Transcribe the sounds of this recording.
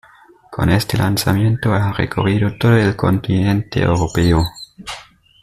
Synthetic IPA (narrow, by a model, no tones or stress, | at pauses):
kʰo̰nest̪elʔansamjent̪oarḛkʰo̰riðot̪oðoelko̰nt̪inẽnt̪eḛwɾopeo